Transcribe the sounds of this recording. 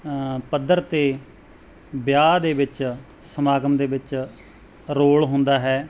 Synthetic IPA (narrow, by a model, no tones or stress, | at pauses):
pəd̪əɾt̪eː | bjaːd̪eːʋɪt͡ʃ | səmaːɡəmd̪eːʋɪt͡ʃ | ɾoːɭɦʊ̃nd̪aːɦɛː